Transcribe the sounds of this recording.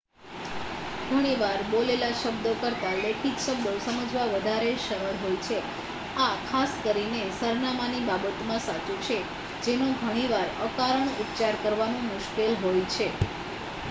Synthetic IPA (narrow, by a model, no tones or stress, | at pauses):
ɡʱəɽ̃iʋaɾbolelaʃəbd̪okəɾt̪aleʈiɡʃəbd̪osəməd͡ʒʋaʋəd̪ʱaɾeʃəɾəɾɦojt͡ʃʰe | akʰaskəɾinesəɾnamanibabət̪mãsat͡ʃut͡ʃʰe | d͡ʒenũɡʱəɽ̃iʋaɾəkaɾəɳ̃ut̪t͡ʃaɾkəɾʋanũmʊʃkelɦojt͡ʃʰe